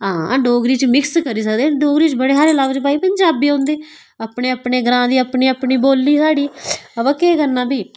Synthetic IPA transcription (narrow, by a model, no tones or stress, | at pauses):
ɦãːɖoːɡɾiːt͡ʃmɪkskəɾiːs̬əkd̪eːɖoːɡɾiːt͡ʃbəɽeːɦaːɾeləʋd͡ʒpaːiːpəɲd͡ʒaːbiːɦõːnd̪eː | apɳeːəpɳeːɡəɾãːd̪iːəpɳiːəpɳiːboːlːiːsaːɽiːəʋəːkeːkənːãːbiː